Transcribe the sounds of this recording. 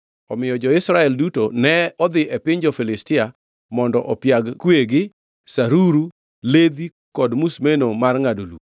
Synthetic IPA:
ɔmɪjɔd͡ʒɔɪsɾaɛldutonɛɔd̪ɪʔɛpɪɲd͡ʒɔfilɪstɪa | mɔndɔʔɔpjaɡkweɡɪ | saɾuɾu | led̪i | kɔdmusmenomarŋadulṵ

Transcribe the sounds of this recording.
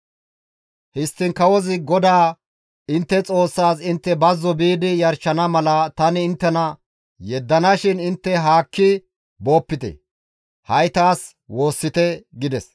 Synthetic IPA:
hɪst̪ːɪŋkɐwɔzɪɡɔd̪aː | ɪnt̪ːɛt͡sʼo̞ːsːaːsɪnt̪ːɛbɐzːɔbiːd̪ɪjɐɾt͡ʃːɐnɐmɐlɐt̪ɐnɪːnt̪ːɛnɐ | jɛd̪ːɐnɐʃɪnɪnt̪ːɛɦaːkːɪ | bo̞ːpːɪt̪ɛ̰ | hɐjt̪aːs | wo̞ːsːɪt̪ɛɡɪd̪ɛs

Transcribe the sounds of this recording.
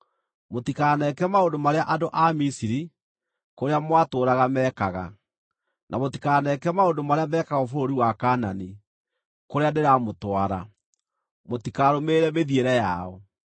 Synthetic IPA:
motikaːnɛkɛmaondomaɾeaʔadoʔamisiɾi | koɾeamwatoːɾaɣamɛːkaɣa̰ | nʔamotikaːnɛkɛmaondomaɾeamɛːkaɣofoɾoɾiwakaːnani | koɾeaneɾamotwaɾa | motikaɾomeɾɛmeðieɾɛjaɔ

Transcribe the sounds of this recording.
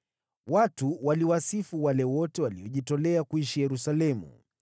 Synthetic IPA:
watuwaliwasifuwalɛwɔtɛwaliɔʄitɔlɛakuiʃijɛɾusalɛmṵ

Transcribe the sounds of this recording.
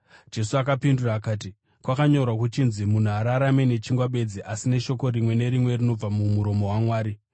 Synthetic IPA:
d͡ʒe̞suakapinduraːkaːti | kwakaɲo̞rwak̬ut͡ʃinzimun̤uaɾaɾame̞ne̞t͡ʃiŋɡwaɓe̞d͡ziʔasine̞ʃo̞ko̞rimwe̞ne̞ɾimwe̞rino̞b͡vamumuɾo̞moɦwamwaːɾi

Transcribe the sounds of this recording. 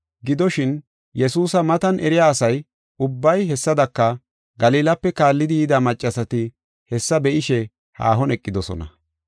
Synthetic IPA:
ɡɪd̪ɔʃɪn | jɛsuːsɐmɐt̪ɐnʔɛɾɪjaːsɐj | ʊbːɐjɦɛsːɐd̪ɐkːɐ | ɡɐliːlɐpːɛkaːlːɪd̪ɪjɪd̪ɐmɐt͡ʃʼːɐsɐt̪ɪ | hɛsːɐbɛʔɪʃɛ | ha̰ːɦɔnɛkʼːɪd̪ɔsɔ̰nɐ̰

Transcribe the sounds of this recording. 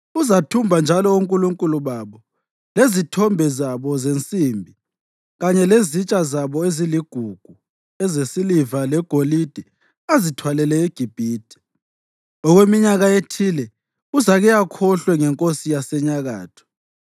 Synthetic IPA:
uzatʰumbʱand͡ʒʱalɔuŋkʼuluŋkʼuluβaβɔ | lezitʰɔmbʱɛzaβɔzent͡sʼimbʱi | ɣaɲɛlezit͡ʃʼazaβɔeziliɡ̥ʱuɡ̥ʱu | ɛzesilivalɛɡ̥ʱolid̥ʱi | azitʰwalɛlɛiɡ̥ʱib̥ʱiːd̥ʱi̥ | ɔɣwemiɲaɣaetʰilɛ | uzaɣɛjakʰɔɬwɛŋɛŋkʼosijasɛɲaɣa̰ːtʰɔ̥

